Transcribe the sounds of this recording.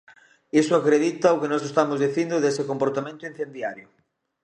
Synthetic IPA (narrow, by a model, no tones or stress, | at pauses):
isʊakɾeðit̪ɐʊkenɔsest̪amʊzðiθind̪ʊðesekompoɾt̪amẽnt̪ʊinθend̪jaɾjʊ